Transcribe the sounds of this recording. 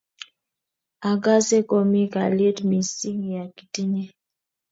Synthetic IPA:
a˨ɡa˦se˦kɔ˦mi˦ka˨le˦tmi˨si˦ŋ˨ja˨ki̥˨ti˦ɲe˦

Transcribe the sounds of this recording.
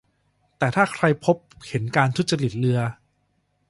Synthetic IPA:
t̪ɛː˨˩t̪ʰaː˥˩kʰɾa˧jpʰo˦˥p̚he˩˦nkaː˧nt̪ʰu˦˥t̪̚t͡ɕa˧li˨˩t̪̚lɯ˧ɐ

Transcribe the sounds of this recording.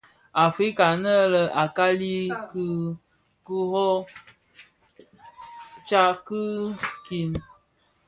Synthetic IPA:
a˨fɾi˦ka˨nə˦lə˦a˨ka˦li˦k | ku˦ɦɔ˦ | t͡ʃa˦kɨ˦ki˦n

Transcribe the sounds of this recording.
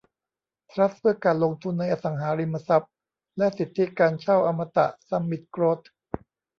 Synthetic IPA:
t̪ʰɾa˦˥t̪̚pʰɯ˥˩ɐkaː˧nlo˧ŋt̪ʰu˧nːa˧jʔa˧sa˩˦ŋɦaː˩˦ɾi˧mːa˧sa˦˥p̚ | lɛ˦˥ʔsi˨˩t̪ʰːi˦˥kaː˧nt͡ɕʰa˥˩wʔa˧mːa˧t̪a̰˨˩ʔsa˧mːi˨˩t̪̚kɾoː˦˥t̪̚ʰ

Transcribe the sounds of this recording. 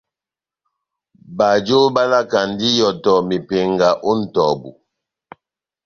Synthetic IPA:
ba˨d͡ʒo˦ba˦la˦ka˨n˦di˦jɔ˨tɔ˨mi˨pe˨ŋɡa˨ʔo˦n̩˨tɔ˨bu˨

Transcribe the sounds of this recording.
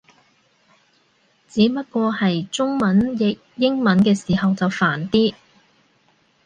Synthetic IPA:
t͡siː˨˥pɐ˥t̚kʷɔː˧hɐ˨jt͡sʊ˥ŋmɐ˨˥njɪ˨k̚jɪ˥ŋmɐ˨˥nkɛː˧siː˨˩hɐ˨wt͡sɐ˨wfaː˨˩nt̪iː˥

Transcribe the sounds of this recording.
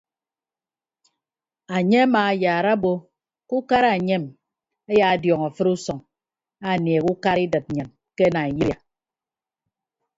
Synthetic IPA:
a˨ɲe˦a˦maː˨a˨˦jaː˨ɾa˦bo˦ | ku˦ka˦ɾa˨ɲe˦˨m | e˦ja˨a˨djɔ˨ŋa˨fɨ˦ɾu˦sɔ˨ŋ | a˨nje˨ku˦ka˦ɾi˦dɨ˨t̚ɲɨ˨n | ke˦na˨ji˦a˨

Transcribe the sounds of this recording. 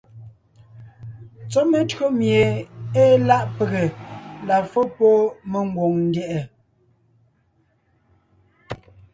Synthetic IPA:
t͡sɔ˦me˨tɰo˦mje˨eː˦la˦ʔpe˨ɣe˨la˨fo˦pɔ˦me˨ŋ˦ɡwo˨ŋn̩˦djɛ˨ʔɛ˨

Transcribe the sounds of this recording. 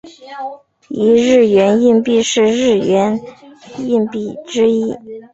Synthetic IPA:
i˧˥ɻɻ̩˥˩ɥɛ˧˥ni˥˧npi˥˧ʂɻ̩˥˧ɻɻ̩˥˩ɥɛ˧˥n | i˥˧npi˥˩ʈ͡ʂɻ̩˥i˥

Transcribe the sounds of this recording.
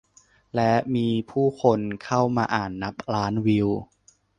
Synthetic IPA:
lɛ˦˥miː˧pʰuː˥˩kʰo˧nkʰa˥˩wmaː˧ʔaː˨˩nːa˦˥p̚ɾaː˦˥nwi˧w

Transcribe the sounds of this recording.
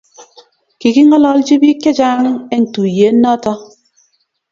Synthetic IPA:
ki˨ki˦ŋɔ˦lɔ˦ld͡ʒi˦bi˦ke˦d͡ʒaː˦ŋe˦n̩˨tu˨je˨˦n̩˦nɔ˦tɔ˦

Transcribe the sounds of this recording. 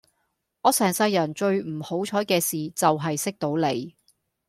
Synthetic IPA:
ɔː˨˧sɛː˨˩ŋsɐ˧jːɐ˨˩nt͡ʃɵ˧ɥm̩˨˩ho˨˥wt͡ʃʰɔː˨˥jkɛː˧siː˨t͡sɐ˨wɦɐ˨jsɪ˥k̚t̪o˨˥wle˨˧j

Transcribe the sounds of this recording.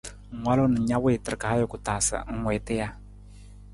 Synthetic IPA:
ŋ̩˨ŋʷwa˦lo˦nə˨ɲa˦we˦˨tə˨ɾka˨˦jʊ˨kʊ˨taː˨sə̰˨ŋ̩˦ŋwɛː˨tɛ˦ja˦

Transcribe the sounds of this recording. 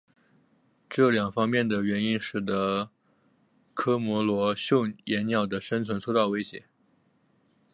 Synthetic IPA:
ʈ͡ʂɤ˥˩ljɑ˨˩ŋfɑ˥ŋmjɛ˥˩nd̪ə˩ɥɛ˧˥ni˥nʂɻ̩˨˩d̪ə˦ | kʰɤ˥mwɔ˧˥lwɔ˧˥ɕjʊ˥˩ŋjɛ˧˥nnjɑ˨˩ʊd̪ə˦ʂə˥nt͡sʰwə˧˥nt͡sʰo˥t̪ɑ˥˩ʊwe˥ɪɕjɛ̰˧˥

